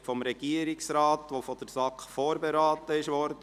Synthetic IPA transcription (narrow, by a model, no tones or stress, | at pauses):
fɔmɾɛɡ̥iəɾɪksɾaːt̪ʋofod̥əɾsɑkχfoːɾbɛɾɑːt̪əɪʃʋɔɾdə